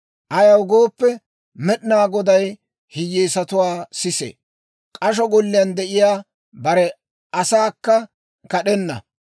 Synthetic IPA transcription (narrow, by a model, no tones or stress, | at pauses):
ʔɐjɐwɡo̞ːpːɛ | mɛɗɪnaːɡɔd̪ɐj | hɪjːeːsɐt̪ʊwaːsɪsḛː | kʼɐʃ̬ɔɡɔlːɪjɐnd̪ɛʔɪjaː | bɐɾɛ | ɐsaːkːɐ | kɐɗɛnːɐ̰